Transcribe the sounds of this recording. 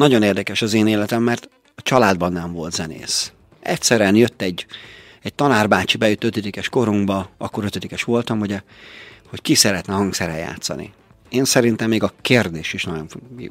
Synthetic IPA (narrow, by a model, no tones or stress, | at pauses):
nɒɟo̞neːrd̪ɛkɛʃɒzeːneːlɛt̪ɛmːɛrt̪ | ɒt͡ʃɒlaːd̪bɒnːɛɱvo̞lt̪zɛnḛːs | ɛ̰cʲsɛɾyɛnjø̞t̪ːɛɟ | ɛc̚t̪ɒnaːrbaːt͡ʃibɛjut̪ːøt̪ɛd̪ikɛʃko̞ɾuŋɡbɒɒ̰kːo̞ɾø̞t̪ed̪ikɛʃʋo̞lt̪ɒmɦuɟɛho̞ckisɛɾɛt̪nɛɦɒŋksɛɾɛ̰ja̰ːt̪sɒ̰nḭ | eːnsɛɾint̪ɛmːeːɡɒkeːrd̪eːʃiʃnɒɟo̞nfi